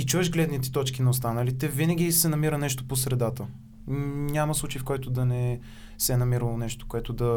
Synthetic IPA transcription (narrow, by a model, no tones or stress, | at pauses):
it͡ʃuɛʃɡlɛd̪nit̪ɛ̥t̪ɔt͡ʃk̟inɐost̪anəlit̪ɛvinəɡ̟ʲisɛnɐmiɾənɛʃt̪oposɾɛd̪at̪ə | nʲamɐslˠut͡ʃəjifkɔjt̪ʊd̪ɐnɛ | sɛnɐmiɾəlˠonɛʃt̪o̥koɛt̪od̪ɐ